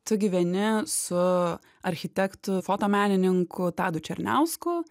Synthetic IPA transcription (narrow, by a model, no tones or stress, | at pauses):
t̪ʊɡʲiːʋʲɛnʲɪsʊ | ɐɾʲxʲɪt̪ʲɛkt̪ʊfoːt̪oːmʲæːnʲɪnʲɪŋkʊt̪ɑːd̪ʊt͡ʃʲɛɾʲnʲæʊskʊ